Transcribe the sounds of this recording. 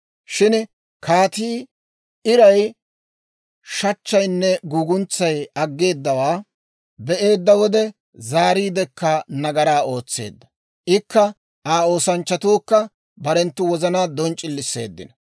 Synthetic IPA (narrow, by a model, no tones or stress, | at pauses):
ʃɪn | kaːt̪iː | ɪɾɐj | ʃɐt͡ʃːɐjnːɛɡuːɡʊnt͡sːɐjɐɡːe̞ːd̪ːɐwaː | bɛʔe̞ːd̪ːɐwɔd̪ɛ | zaːɾiːd̪ɛkːɐnɐɡɐɾaːo̞ːt͡sːe̞̰ːd̪ːɐ̥ | ʔɪkːɐ | aːo̞ːsɐnt͡ʃːɐt̪uːkːɐ | bɐɾɛnt̪ːʊwɔzɐnaːd̪ɔnt͡ʃʼːɪlːɪsːe̞̰ːd̪ːɪ̰nɐ